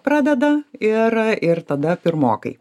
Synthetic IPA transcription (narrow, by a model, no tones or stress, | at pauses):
pɾɑːd̪ʲɛd̪ɐɪɾɪrt̪ɐd̪ɐpʲɪɾmoːkɐɪ